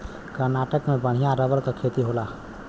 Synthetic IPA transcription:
kəɾnaːʈəkmebəɽ̤ijãɾəʋəlk̪əkʰet̪iɦola

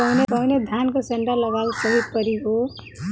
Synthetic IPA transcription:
ʌwnepʌwned̪ʱankoseɳʈʌrlʌɡalsʌɦipʌɾiɦo

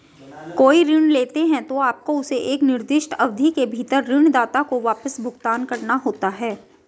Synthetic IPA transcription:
koːiɾɪɳ̃leːt̪eɦɛ̃t̪oaːp̚koʊseʔeːknɪɾd̪ɪʃʈɐʋd̪ʱikebʱiːt̪əɾːɪɳ̃d̪aːt̪akoʋaːpəsbʱʊɡt̪aːnkɐɾnaɦoːt̪aɦɛː

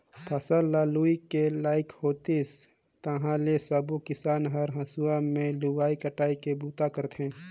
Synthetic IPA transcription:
pʰɐsəlːaːluːikelaːɪkhoːt̪is | t̪ɐɦãlesɐbukɪsaːnɦɐɾɦɐ̃suamẽluɡaːikəʈaːikebuːt̪akəɾt̪ʰɦẽː

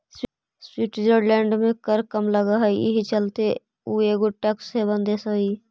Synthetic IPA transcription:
s | swiʈd͡ʒəɖlɛːɳɖmẽkəɾkəmləɡaɦəiḭɦit͡ʃəlt̪e | ueɡoʈəksɦebə̃nd̪esəi

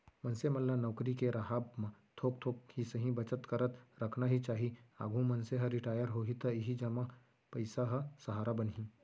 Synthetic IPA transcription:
mɐ̃nsemɐlːanɐwkɾikeɾɐɦaːbmãt̪ʰoːk̚t̪ʰoːkɦisəɦĩbɐt͡ʃət̪kəɾət̪ɾɐkʰnaɦit͡ʃaːɦiaːɡʱũmɐnseɦɐɾɪʈaːjəɾɦoːɦit̪ɐɪɦid͡ʒɐma | pɐɪsaɦɐsɐɦaːɾabənɦĩː

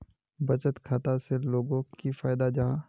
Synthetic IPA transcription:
bɐt͡ʃət̪kʰaːt̪aseloːɡõkifaːɪd̪ad͡ʒaː

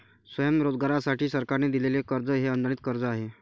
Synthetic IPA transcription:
sʋəjəmɾod͡zɡaɾasaʈʰiːsəɾkaɾned̪ilelekəɾd͡zəɦeənd̪əɽit̪kəɾd͡zəaɦe

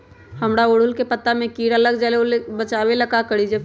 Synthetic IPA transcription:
həmɾaoːɽ̤ʊlkepət̪ːamẽkiːɽələɡd͡ʒaleolebət͡ʃaːweləkakəɽid͡ʒə

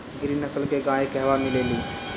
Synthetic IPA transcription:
ɡʱɪɾinəsəlkeɡãːekɛɦʋamɪleːliː

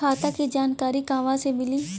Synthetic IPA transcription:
aːt̪akid͡ʒaːnkaːɾikãːʋãsemɪli

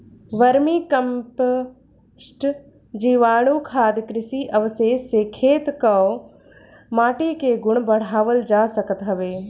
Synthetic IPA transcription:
ʋɐɾmikɐmp | ʃʈ | d͡ʒiːʋaːɽ̃ukʰaːd̪kɾɪsiʔɐʋəseːseːkʰeːt̪kɐo | maːʈiːkeɡʊɽ̃bɐɽ̤aːʋəld͡ʒaːsɐkət̪ɦɐʋeː

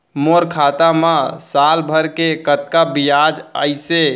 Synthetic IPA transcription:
moɾkʰat̪amasalbʱəɾkekət̪kabijad͡ʒə̰ɪse

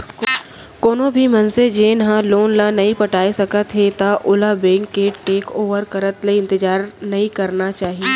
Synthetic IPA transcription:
koːnõbʱimɐnsed͡ʒeːnɐɦãloːnlanɐɦĩpɐʈaːesɐkət̪ɦet̪aʔʊlabẽːŋkːeːʈeːkoːʋəɾkɐɾət̪leɪ̃nt̪ɪd͡ʒaːɾnɐɦĩkɐɾnat͡ʃaːɦieː

